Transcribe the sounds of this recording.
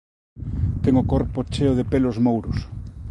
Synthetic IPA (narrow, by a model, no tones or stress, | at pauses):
t̪ɛŋokoɾpot͡ʃeoðepelozmowɾʊs